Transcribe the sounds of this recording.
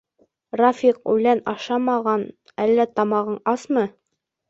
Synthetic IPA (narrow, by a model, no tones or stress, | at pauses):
rafʲiqʉ̰lænɑʃɑmɑʁɑn | ælːæt̪ɑmɑʁɤɴɑsmɤ